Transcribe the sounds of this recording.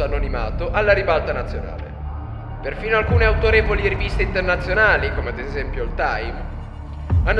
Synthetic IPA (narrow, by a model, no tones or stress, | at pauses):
anonima̰ːt̪oʔalːaɾibalt̪anat̪sːjona̰ːlḛ | perfiːnoalkuːneawt̪oɾeːvoliɾivist̪eint̪ernat̪sːjonaːlikomead̪ezɛmpjolt̪ajm | anː